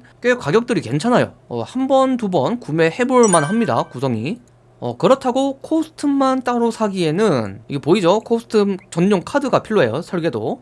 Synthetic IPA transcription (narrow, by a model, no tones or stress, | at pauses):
k͈ek͈ːaɡjʌk̚t͈ɯɾike̞nt͡ɕʰanajo̰ʌ̰hambʌnt̬ubʌnkume̞he̞buɭmanɦamɲida̰kusʰʌŋi | ʌ̰kɯɾʌtʰaɡokʰosʰɯ̥tʰɯmːant͈aɾosʰaɡie̞nɯniɡepoid͡ʑokʰosʰɯ̥tʰɯmt͡ɕʌnːoŋkʰadɯɡapʰiɭːoejosʰʌɭɡe̞do